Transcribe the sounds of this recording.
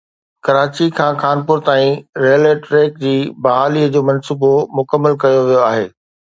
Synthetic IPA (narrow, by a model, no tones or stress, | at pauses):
kɐɾaːt͡ɕikʰãːxaːnpʊɾt̪aːĩɾeːəleʈɾeːk̚d͡ʑiːbɐɦaːliːəd͡ʑoːmɐnsuːbomʊkəmːəlkɐjoʋijoaːɦeː